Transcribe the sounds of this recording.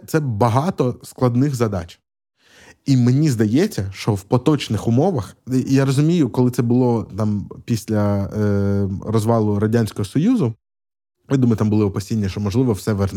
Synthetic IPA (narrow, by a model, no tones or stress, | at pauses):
t̪sɛbɐɦɑt̪ɔsklˠɐd̪nɪxzɐd̪ɑt͡ʃʲ | imenʲizd̪ɐjɛt͡sʲːɐʃt͡ʃɔwpɔt̪ɔt͡ʃnɪxʊmɔʋɐxjaɾɔzʊmʲijʊkɔlˠɪt̪sɛbʊlˠɔt̪ɑmpʲisʲlʲɐ | ɾɔzʋɑlˠʊɾɐdʲanʲsʲkɔɦɔsɔjuzʊ | jad̪umɐjʊt̪ambʊlˠɪɔpɐsʲinʲːɐʃt͡ʃɔmɔʒlˠɪʋɔwsɛʋɛrn